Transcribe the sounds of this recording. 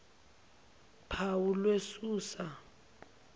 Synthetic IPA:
pʰawulwesuːsa

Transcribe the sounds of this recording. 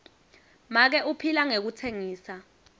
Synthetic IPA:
mak̬ɛʔupʰilaŋek̬utʰeŋiːsa

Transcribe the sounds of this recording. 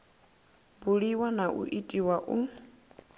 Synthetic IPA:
buɺiwanaʔṵʔitʼiwaʔu

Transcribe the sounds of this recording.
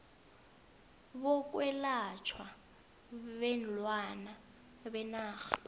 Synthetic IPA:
βɔk̬ʼwɛlat͡ʃʰwa | βɛnlwana | bɛnaːxḁ

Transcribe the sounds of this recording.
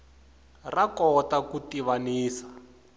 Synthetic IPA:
rakɔtakutiβaniːsḁ

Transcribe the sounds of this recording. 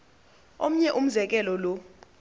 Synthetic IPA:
om̩ɲɛʔum̩zɛk̬ɛlɔlo

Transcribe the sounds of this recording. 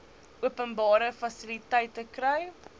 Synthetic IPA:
uəpənbɑːɾəfɐsilitəjtəkrɛj

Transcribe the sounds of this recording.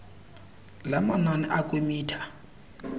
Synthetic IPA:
lamananɛʔakʼemiːtʰḁ

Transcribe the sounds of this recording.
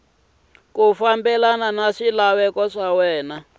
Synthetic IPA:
kufambɛlananaʂilawɛkɔʂawɛːna

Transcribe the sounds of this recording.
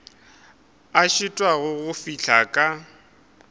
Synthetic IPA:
aʃɪtʼwaɣʊɣʊfiɬʰakʼa

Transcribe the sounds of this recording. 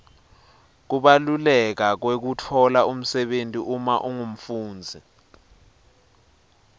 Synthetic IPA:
k̬uɓalulɛk̬ak̬wek̬utʰɔlaum̩sɛɓentʼiʔumaʔuŋum̩fuːnd͡zʱi

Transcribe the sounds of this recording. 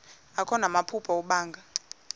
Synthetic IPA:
akʰɔnamapʰupʰɔɔɓaːŋɡʱa

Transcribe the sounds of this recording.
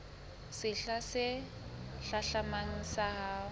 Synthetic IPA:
sɪɬasɪ | ɬaɬamaŋ̩saɦaː

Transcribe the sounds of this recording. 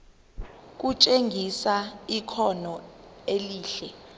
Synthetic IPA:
k̬ʼut͡ʃʼeŋʱisaikʰɔnɔeliːɬɛ

